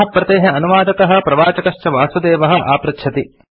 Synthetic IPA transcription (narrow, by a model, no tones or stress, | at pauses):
ɐpɾɐt̪eːɦeɐnuʋaːd̪ɐt̪ɐɦɐ̆pɾɐʋaːt͡ʃɐkɐʃt͡ʃɐʋaːsud̪eːʋɐɦɐ̆ʔa̰ːpɾɐtʃʰɐt̪i